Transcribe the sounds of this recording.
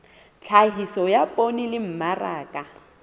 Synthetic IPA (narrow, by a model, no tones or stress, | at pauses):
t͡ɬʰaɦisɔjapʼonilɪm̩maraːkʼa